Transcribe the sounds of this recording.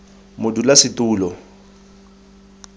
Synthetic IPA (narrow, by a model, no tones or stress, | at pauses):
mʊdulasɪtʼuːlɔ